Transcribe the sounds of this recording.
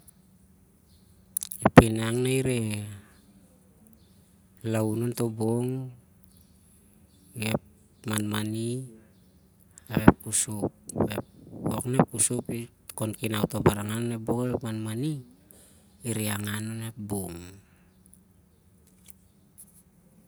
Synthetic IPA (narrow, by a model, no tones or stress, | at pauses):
epinaŋnaiɾe | launonto̞boŋ | ep | manmani | aβepusup̚bḛoknepusupi | konkinawtobaɾaŋanoneboŋaβepmanmaniː | ɾiaŋanonep̚boŋ